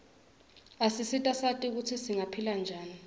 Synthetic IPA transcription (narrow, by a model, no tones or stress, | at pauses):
asisitʼasatʼik̬utʰisiŋapʰiland͡ʒʱaːni